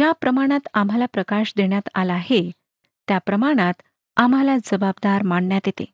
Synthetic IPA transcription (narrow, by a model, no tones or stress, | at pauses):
japɾəmaɽ̃at̪am̤ɦalapɾəkaɕd̪eɳjat̪alːɦe | t̪japɾəmaɽ̃at̪ | am̤ɦalad͡zəbab̚d̪aɾmaɳɳjat̪jet̪ḛ